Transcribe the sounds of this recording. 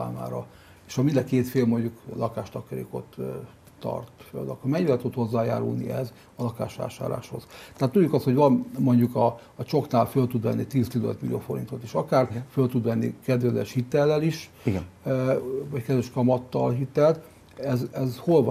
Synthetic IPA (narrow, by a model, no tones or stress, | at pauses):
a̰ːma̰ːɾɒ | eːʃɒmind̪ɛkeːt̪feːlmo̞ɲɟuklɒkaːʃt̪ɒkɒɾḛːko̞̰t̪ː | ɒ̰rt̪fø̰lːɒkomɛɲvɛlt̪ut̪ho̞zːaːja̰ːɾṵlnḭɛz | ɒlɒka̰ːʃa̰ːʃa̰ːɾla̰ːʃho̞̰z̥t̪aat̪ːuɟːukɒst̪ho̞ɟvɒnmo̞ɲɟukɒː | t͡ʃo̞knaːlfølt̪ud̪ʋɛnːit̪iːzt̪izɛnøt̪milioːfo̞ɾḭnt̪o̞t̪eːʃɒkaːrfølt̪ud̪ʋɛnːḭkɛd̪vɛzɛ̰ʃhit̪ːɛlːɛliʃ | iɡ | vɒckɛd̪ʋɛʃkɒmɒt̪ːɒ̰lɦit̪ːɛlt̪ | ɛzɛzho̞lvɒ